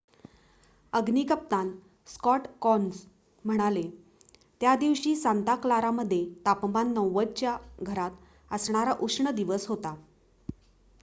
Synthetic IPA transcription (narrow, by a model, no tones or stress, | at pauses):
əɡniːkəp̚t̪ãn | skɔʈkɔns | m̤əɽ̃ale | t̪jad̪iʋɕiːsant̪aklaɾaməd̪ʱːjet̪apmanːəwːəd͡ʑt͡ɕjaɡʱəɾat̪ | əsɳ̃aɾaʔukʂɳəd̪iʋəsɦot̪a